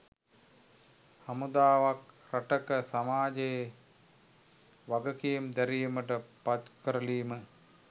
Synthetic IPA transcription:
hamud̪aːʋakraʈəkəsamaːd͡ʒej | ʋaɡəkijemd̪æɾijməʈəpat̪kəɾəliːmə

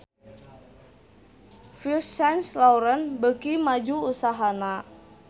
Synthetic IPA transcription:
fisɛnslauɾənbəkimad͡ʒuːsaɦana

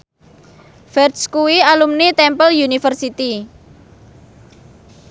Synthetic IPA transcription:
fɛrd̪skuwialumnit̪ɛmpəljunifərsit̪i

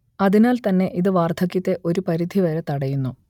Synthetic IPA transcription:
ɐðinaːlt̪ɐnːe̞ʔiðɨʋaːrt̪ʰɐkːjɐt̪ːe̞ʔo̞ɾupɐɾid̪ʱiʋɐɾet̪ɐɽɐjunːu

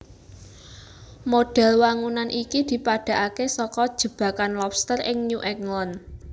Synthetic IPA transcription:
moɖ̥ɛ̤lwaŋunanʔikid̪̥i̤paɖ̥ä̤ʔakesɔkɔd̥ʒ̥ə̤b̥ä̤kanlɔpst̪ərɪŋɲuʔɛklɔn

